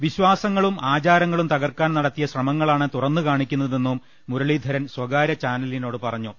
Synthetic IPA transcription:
ʋiɕwaːsɐŋːɐɭumʔaːt͡ɕaːɾɐŋːɐɭumt̪ɐɣɐrkaːnnɐɽɐt̪ːijɐɕrɐmɐŋːɐɭaːɳɨt̪urɐnːukaːɳikʲːunːɐðe̞nːumː | uɾɐɭid̪ʱɐɾɐnswɐɡaːɾɐt͡ɕaːnɐlino̞ːɽɨpɐrɐɲːu

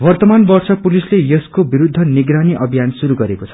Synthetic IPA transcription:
bʌrt̪ʌmanbʌrt͡sʰʌpulislejʌskobiɾud̪ʱːʌniɡɾaniʔʌbʱijansuɾuɡʌɾekot͡sʰʌ̥

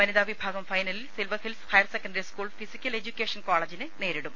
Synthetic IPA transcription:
mɐniðaːʋibʱaːɡɐmfɐjnɐlilsilʋɐfilshɐjɐrsekːɐnɖɐɾiskuːɭfisikʲːɐle̞d͡ʑukʲːeːʂɐnkoːɭɐd͡ʑinɨne̞ːɾiɽum

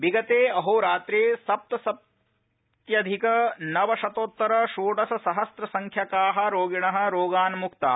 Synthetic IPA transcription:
ʋiɡɐt̪eːɐɦoːɾaːt̪ɾeːsɐp̚t̪ɐsɐp̚ | t̪jɐd̪ʱikɐnɐʋɐʃɐt̪oːt̪ːɐɾɐʃuːʈɐsɐsɐɦɐst̪ɾɐsɐŋkʰjɐkaːɦɐ̆ɾoːɡiɳɐɦɐ̆ɾoːɡaːnmukt̪a̰ː

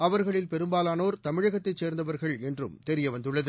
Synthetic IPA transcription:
ɐʋɐɾɣɐɭɪlpɛɾɯmbaːlaːnoːɾt̪ɐmɪɻɐɣɐt̪ːɐɪt͡ʃːseːɾnd̪ɐʋɐɾɣɐɭɛndrɯ̰mt̪ɛɾɪjɐʋɐnd̪ɯɭːɐðɯ

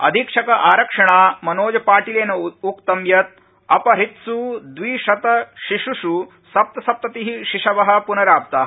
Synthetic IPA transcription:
ɐ̰d̪ʱiːkʂɐkɐʔaːɾɐkʂɐɳaːmɐnoːd͡ʒɐpaːʈileːnɐukt̪ɐmjɐt̪̚ | ɐpɐɾit̪sud̪ʋiːʃɐt̪ɐʃiʂuʃu | sɐp̚t̪ɐsɐp̚t̪ɐt̪iɦiʃiʂɐʋɐɦɐ̆punɐɾaːp̚t̪aːɐ

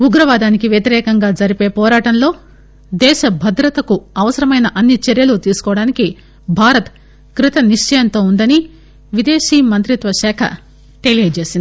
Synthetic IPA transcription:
uɡɾɐʋaːd̪aːnikiʋjɐt̪iɾɛːkɐŋɡaːd͡ʒɐɾipe̞ːpɔːɾaːʈɐnlo̞ː | d̪ɛːʃɐbʱɐd̪ɾɐt̪ɐkuɐʋɐsɐɾɐmɐjnɐʔɐnːit͡ʃɛɾjɐlut̪iːsu̥kɔːʋɐɽaːniki | bʱaːɾɐt̪ | kɾit̪ɐniʂt͡ʃɐjɐnt̪o̞ːund̪ɐni | ʋid̪e̞ːʃiːmɐnt̪ɾit̪ʋɐʃɛːkʰɐ̰ | ʈelijɐɖt͡ʃe̞ːsind̪i

